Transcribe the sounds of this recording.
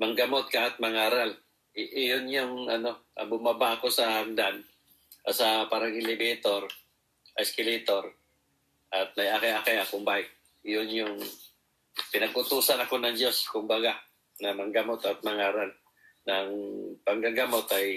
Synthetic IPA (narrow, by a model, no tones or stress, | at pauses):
mɐŋɡɐmot̪̚kaʔːt̪̚mɐŋaːɾal | ʔjonjʊŋɐno̞ʔɐ̰bʊmabaʔɐko̞sɐhaŋd̪an | ɐsɐpaɾaɡɪlɪbɛt̪oɾ | ʔɐskɪlɛt̪o̞ɾ | ʔɐt̪̚nɐjakajakajakʊmbak | jʊnjʊŋ | pɪnɐɡʔʊt̪uːsanɐko̞nɐŋd͡ʒoskʊmbaɡa | nɐmɐŋɡɐmot̪ɐt̪̚mɐŋaːɾal | nɐŋpɐŋɡaɡɐmo̞t̪ɐj